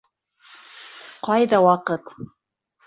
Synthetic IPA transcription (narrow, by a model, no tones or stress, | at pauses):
qʰɑjd̪awɑqət̪